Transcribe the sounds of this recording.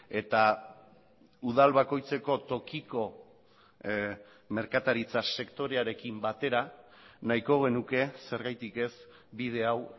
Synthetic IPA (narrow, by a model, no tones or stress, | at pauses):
e̞t̪a | uð̞alβako̞jt͡se̞ko̞t̪o̞kiko̞ | me̞ɾkat̪aɾit͡sase̞kt̪o̞ɾe̞aɾe̞kimbat̪e̞ɾa | najko̞ɣ̞e̞nuke̞se̞ɾɣajt̪ike̞s | bið̞e̞aw